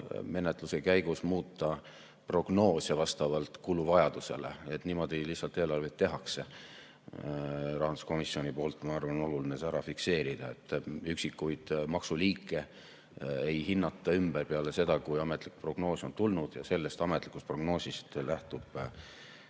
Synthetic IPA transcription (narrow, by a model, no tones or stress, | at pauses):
me̞net̪ˑluse̞kæjɡ̥usmuːt̪ːˑɑ | pro̞ɡ̥no̞ːsevɑst̪ɑvɑlt̪ˑkuluvɑjɑd̪̥use̞̰lḛet̪niːmo̞d̪ilihsːɑlt̪ːˑeːlɑrvet̪ːe̞ɦɑkse̞ | rɑɦɑnd̪u̥sko̞misːio̞nipo̞ːlt̪ːˑmɑɑrvɑno̞lulinesæɾɑfikse̞ːɾid̪̥ɑe̞̰t̪ːˑyksikːˑujd̪̥mɑksuliːkːˑe̞ | ejhinːɑt̪ˑːɑymb̥erpeɑle̞se̞d̪ɑkujɑmet̪ːˑlikːpro̞ɡ̥no̞ːso̞nt̪ulnud̪̥jɑ̰se̞lːe̞st̪ɑme̞t̪ːˑlikːˑust̪pro̞ɡno̞ːsʲist̪læht̪ub̥